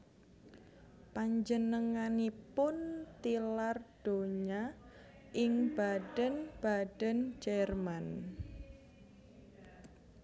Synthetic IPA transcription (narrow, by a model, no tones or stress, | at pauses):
paɲd͡ʒənəŋanipʊnt̪ilard̥oɲa | ʔɪŋb̥ad̥ənb̥ad̥ənd͡ʒɛrman